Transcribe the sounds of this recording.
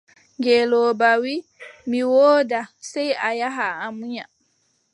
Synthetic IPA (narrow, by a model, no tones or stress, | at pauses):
ŋɡɛlɔːbawimiwoːdasɛjajaɦaːmuɲa